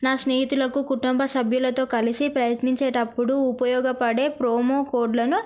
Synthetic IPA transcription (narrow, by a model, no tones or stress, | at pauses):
naːsneːɦit̪ulɐkukuʈumbʱɐsɐbʱjulɐt̪o̞ːkɐlisipɾɐjɐt̪niɲt͡ʃe̞ːʈɐpːuɽuːpɐjɔːɡɐpɐɽe̞ːpɾoːmoːkoːɾɖlɐnu